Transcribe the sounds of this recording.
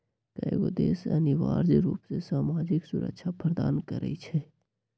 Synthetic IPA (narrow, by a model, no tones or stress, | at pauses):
kajɡod̪eːsənɪʋa̰ːɾd͡ʒɾuːpsesaːmaːd͡ʒɪksʊɾə̰kʃʰapʰɾəd̪aːnkəɾə̰it͡ʃʰɛ